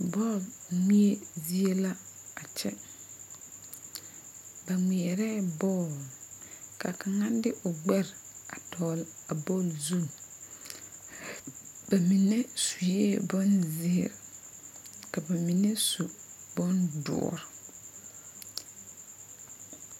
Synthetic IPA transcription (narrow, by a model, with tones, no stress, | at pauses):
bɔ˦˨lŋi˦e˦zi˦e˦la˦a˨t͡ʃɛ˦ | ba˨ŋi˨ɛ˨ɾɛː˦bɔː˦˨l | ka˨ka˨ŋa˦dɪ˦ʔʊ˨ɡ͡bɛ˦ɾa˨tɔː˨la˨bɔ˦lzu˦˨ | ba˨mi˨ne˦su˨jeː˦bɔ˦nzɪ˦˨ɾ | ka˨ba˨mi˨ne˦su˨bɔ˦ndʊ̰˨ɔ̰˨ɾ